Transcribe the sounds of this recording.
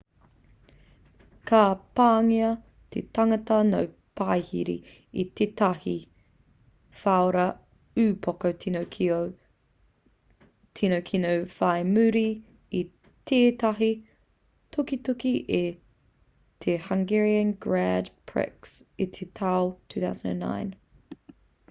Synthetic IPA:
kʰaːpaːŋiɐ | t̪ʰetɐŋɐtɐnow | pʰajhḭɾḭ | it̪ʰetɐhi | faoɾɐ | ʉːpʰokotʰinokʰo | tʰinowkʰinowfaemʉɾi | i | tʰeːtɐɦi | tʰokitokiʔe | tʰehaŋɡɛɹiə̃nɡɹædpʰɹɛ̰ksit̪ʰetʰawtʰʉːθa̰wzə̃nə̰̃nːã̰ɪ̃n

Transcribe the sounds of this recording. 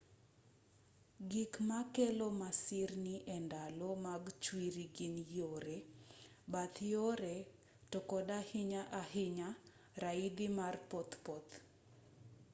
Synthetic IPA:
ɡikmakelomasɪrniʔɛndalomaɡt͡ʃwiɾiɡinjoɾe | bat̪joɾe | tokɔdahɪɲaʔaɦɪɲa | ɾaid̪imarpɔt̪pɔt̪

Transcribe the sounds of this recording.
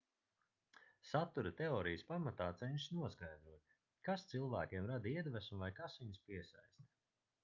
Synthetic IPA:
sat̪uɾat̪eɔːɾijəspamat̪aːt̪sɛɲʃnuɔsɡajd̪ɾuɔt̪̚ʲ | kast̪silˠvæːkʲiɛmɾad̪iɛd̪væsmuvajkasviɲspiɛsa̰jst̪

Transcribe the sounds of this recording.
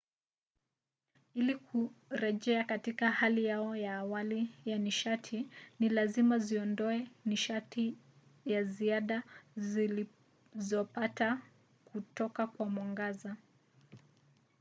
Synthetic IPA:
ilikʰuɾɛʄɛakatikahalijaɔjaːwalijaniʃatʰinilazimaziɔndɔɛniʃati | jaziaɗazili | zɔpata | kutɔkakwamwaŋɡaza

